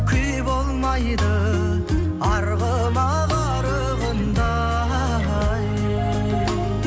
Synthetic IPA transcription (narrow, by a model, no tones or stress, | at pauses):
kʲʰʏjbolˠmɑjd̪ə | ɑɾʁə | mɑ | ʁɑ | ɾə | ʁənd̪ɑ | j